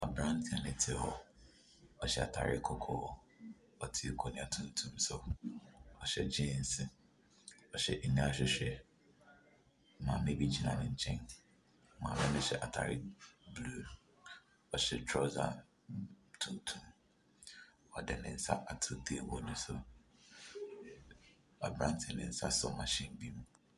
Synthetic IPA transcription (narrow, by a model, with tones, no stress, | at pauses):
ɔ˨bɾã˦n˦tʰɪ̃˨˦a˨nɪ̃˨tʰɪ˨˦˨hɔ˦ | ɔ˨ɕɛ˦˨a˨tʰa̰˨ɾɪ̰˦kʰɔ˦kʰɔ˦˨ | ɔ˦tʰɪ˦˨kʰɔ˨nɪ̃˨a˨tʰũ˨n̩˦tʰũ˦msʊ˦ | ɔ˨ɕɛ̰˨d͡ʑɪ̃˦˨n̩˨sɪ˦ | ɔ˨ɕɛ̰˨ʔi˨nĩ˦a˦ɕᶣɪ˨ɕᶣɛ˨ | mã˨mẽ˦bi˦d͡ʑi˦nã˨nɪ̃˨ɲ̩˨˦t͡ɕʰɛ̃˦n˨ | mã̰˨mɛ̃˦nʊ̃˦ɕɛ˨ʔa˨tʰa̰˨ɾɪ̰˦blo˨ | ɔ˨ɕɛ˨tʰɾɔ˦za̰˨ | tʰũ˨n˦tʰũ˦m | ɔ˨dɛ˨nɪ̰̃˨n̩˦sa̰˦ʔa˨tʰʊ˨de˦˨wɔ˨nʊ̃˨sʊ˨ | a̰˨bɾã˦n˦tʰɪ˨nɪ̰̃˨n̩˦sa̰˦sɔ̰˨mã˨ɕĩ˦nbi˦mũ˨